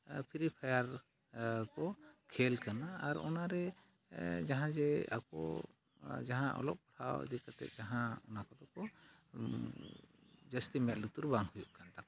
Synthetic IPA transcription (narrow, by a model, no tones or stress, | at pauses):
pʰiɾipʰajaɾ | kɔkʰɛlkanaːɾɔ̰naɾɛ | d͡ʒaɦãd͡ʒɛa̰kɔ̰ | d͡ʒaɦãʔɔ̰lɔp̚pɔ̥ʈʰaw̰d̪ikat̪ɛ̰t̪̚d͡ʒaɦãɔnakɔd̪ɔkɔ | d͡ʒəst̪imɛt̪̚lut̪uɾbaŋhujuʔkant̪akɔ